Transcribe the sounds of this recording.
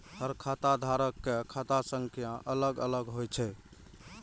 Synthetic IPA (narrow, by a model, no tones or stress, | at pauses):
həɾkʰat̪ad̪ʱaɾəkːekʰat̪asəŋkʰijãʔələɡələɡɦojt͡ʃʰɛ